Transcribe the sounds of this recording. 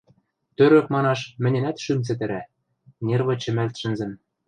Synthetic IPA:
t̪øɾɘ̆kmɑnɑʃmɘ̆nʲɘ̆næt̪ʃymt͡s̬ɘ̆t̪ɘ̆ɾæ | nʲerβɤ̆t͡ɕɘ̆mælt̪ʃɘ̆nzɘ̆m

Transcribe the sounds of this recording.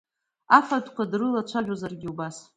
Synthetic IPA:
afadkʷadrɨlat͡ʃʷʰaʒᶣozarɡʲiubas

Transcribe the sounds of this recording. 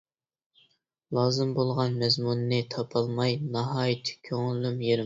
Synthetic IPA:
lˠɑːzɨmbolˠʁɑnmɛzmunːɨt̪ʰɑpʰɑlˠmɑjnɑɦɑːjit̪ʰɪ̥kʲʰøŋllymjeɾɪm

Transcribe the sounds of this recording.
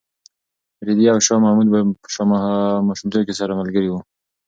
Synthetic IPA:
ɾid̪iawʃɑmahmud̪̚bapə̥ʃɑmahmɑʃʊmt̪ojkesaɾamalɡəɾiwu

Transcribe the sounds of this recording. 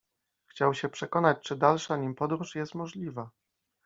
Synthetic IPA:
xt͡ɕawɕɛpʂɛkɔnat͡ɕt͡ʂɘd̪alʂaɲimpɔd̪ɾuʂjɛst̪mɔʐlʲiva

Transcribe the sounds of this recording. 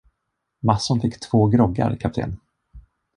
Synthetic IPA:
masːʊnfɪkːt̪ʰv̥oːɡɾɔɡa̰ɾkʰap̚t̪ʰḛːn

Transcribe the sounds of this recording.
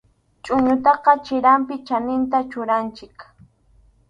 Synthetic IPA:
t͡ʃʼʊɲʊt̪ɑqɑt͡ʃɪɾampɪt͡ʃanɪnt̪at͡ʃʊɾant͡ʃɪk

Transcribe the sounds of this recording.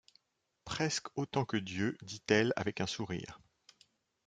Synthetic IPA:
pχɛskot̪ɑ̃kəd̪jød̪it̪ɛla̰vɛkɛ̃suʁḭːʁ

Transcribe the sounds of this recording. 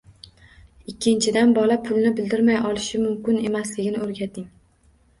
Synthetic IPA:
ɪkʲːɪnt͡ʃʰɪd̪anbɒlˠapʰʊlˠnɪbɪld̪ɪɾmajɒlˠɪʃɪmʊmkʲɪne̞maslɪɡʲɪnɪoɾɡʲat̪ʰɪŋ

